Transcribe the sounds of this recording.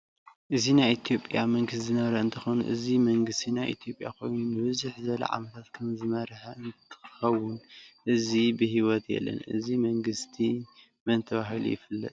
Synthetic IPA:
ʔɨzinajʔit̪ʰijo̞pʼjamɐŋɡɨszɨnɐβɾɐɨnt̪ʰɨxonṵʔɨzimɐŋɡɨst̪ʰinajʔḭt̪ʰijo̞pʼja̰kʰo̞̰jnunɨβɨzuħzɐlɐ̰ʕa̰mɐt̪ʰat̪kʰɐmzɨmɐɾħɐɨnt̪ʰɨ̥xɐwːʊnʔɨzibɨhiwɔt̪ʰjɛ̰lːɐ̰nʔɨ̰zimɐŋɡɨst̪ʰi | mɐnt̪ʰɐβaɦilṵjɪ̰fɨlːɐ̰t̪ʼ

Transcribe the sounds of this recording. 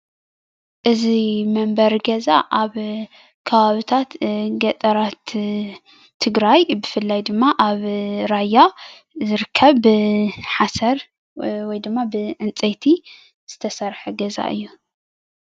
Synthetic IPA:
ʔɨzimɐmbɐɾɡɐza̰ʔaβ | kʰɐβaβɨt̪ʰat̪ɡɐt̪ʼɐɾat̪ | ɨɡɾajbɨfɨlːajd̪ɨmːaʔaβɾaja | zɨɾɨkʰːɐβːɨħasɐɾ | wɔjd̪ɨmːabɨʕɨnt͡sʼɐjt̪ʰi | z̥ɨt̪ʰɐsɐɾħuɡɐza̰ʔɨ̰jːu

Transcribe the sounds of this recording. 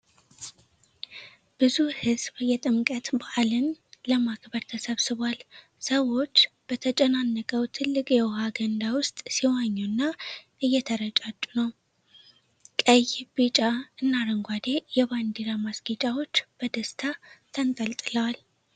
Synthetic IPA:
b̥ɨzuhɨzbjɛt̪ʼɨmkʼət̪baʔalɨnləmakbəɾt̪ʰəsəβsɨβwal | səwo̞t͡ʃːb̥ət̪ʰət͡ʃʼɛnanːəkʼəwt̪ʰɨlːɨkʼjɛwhaɡənd̪awʊst̪ʼsiwaɲːunːaʔɨjːɛt̪ʰəɾət͡ʃʼat͡ʃʼːunəw | kʼəjbit͡ʃʼaɨnːaɾəŋɡʷad̪e̞jɛβand̪iɾamasɡit͡ʃʼawo̞t͡ʃːb̥əd̪əst̪ʰat̪ʰənt̪ʼəlt̪ʼɨləwal

